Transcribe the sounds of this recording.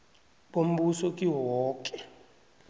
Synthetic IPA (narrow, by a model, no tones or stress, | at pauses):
ɓom̩ɓusɔkʼiwɔwɔːk̬ʼɛ̥